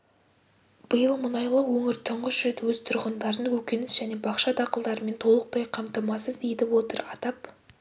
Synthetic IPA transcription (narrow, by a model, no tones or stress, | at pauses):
b̥əjəlˠmʊnɑjlˠəwɵŋɪɾt̪ʰʊɴʁəʒʏɾe̞t̪wɵzt̪ʰʊɾʁənd̪ɑɾd̪ənkʰɵkʲe̞nɪsʒ̥æne̞bɑqʃɑd̪ɑqəlˠd̪ɑɾəme̞nt̪ʰo̞lˠəq̚t̪ɑjqʰɑmt̪ɑmɑsəzd̪ejd̪ɪwo̞t̪əɾɑt̪ɑp